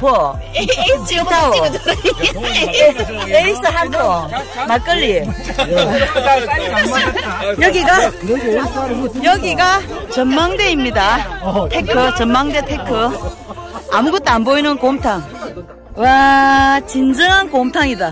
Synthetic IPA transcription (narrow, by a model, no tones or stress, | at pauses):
po | t͡ɕtʰao | eis͈ɯɦadomak͈ɯʎːie | jʌɡiɡa | jʌɡiɡat͡ɕʌnmaŋde̞imɲidatʰekʰɯt͡ɕʌnmaŋde̞tʰekʰɯ | amuɡʌt͈amboinɯnkomtʰaŋ | wa | t͡ɕind͡ʑɯŋɦankomtʰaŋida